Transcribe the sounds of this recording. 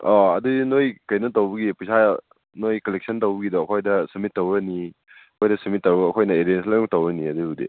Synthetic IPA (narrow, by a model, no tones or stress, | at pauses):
ɔɐdudinojkɐjnɐtowbɐɡipusʰa | nojkɐlek̚sʰɐntɐwbɐɡidoɐkʰojdɐsɐmitːɐwɾɐni | ɐkʰojdɐsɐmit̚ːɐwɾɐɐkʰojnɐeɾenslajtɐwɾɐniɐdubudḭ